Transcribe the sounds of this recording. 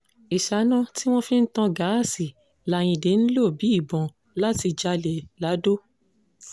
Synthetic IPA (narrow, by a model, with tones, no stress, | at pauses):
i˨ʃa˨˦nã˦ti˦w̃ɔ̃˦fĩ˦n̩˦tã˧ɡa˨˦˨si˨ | la˨j̃ĩ˧de˨˦n̩˦lo˦˨bi˨˦i˦˨bɔ̃˨ | la˦ti˧d͡ʒa˧le˨la˨˦do˦